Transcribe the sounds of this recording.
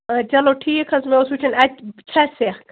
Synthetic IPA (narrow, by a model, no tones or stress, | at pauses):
t͡ʃɐloʈʰiːkʰɐzmeosut͡ʃʰɐnɐt͡ʃʰɐseːxk